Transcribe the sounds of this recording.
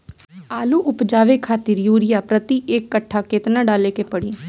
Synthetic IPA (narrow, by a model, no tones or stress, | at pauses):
aːluːʔʊpd͡ʒaːʋeːkʰaːt̪ɪɾjuːɾɪjaːpɾət̪iːʔeːkːəʈʰːaːkɪt̪naːɖaːleːkeːpəɽiː